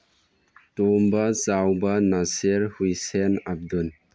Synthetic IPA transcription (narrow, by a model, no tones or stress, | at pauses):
tombat͡sawbanaseɾhujsenap̚dun